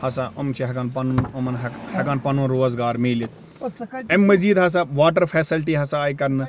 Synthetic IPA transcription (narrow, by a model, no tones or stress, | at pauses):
hɐsaʔɐmt͡ʃʰiɦɐkaːnpɐnunɐmɐnɦhɐkaːnpɐnũnɾoːzɡaːɾmiːlit̪̚ʰ | emːɐziːd̪ɦɐs̬aʋaːʈ̬ɐɾpʰeːsɪlʈiɦɐsaːikɐɾnɨ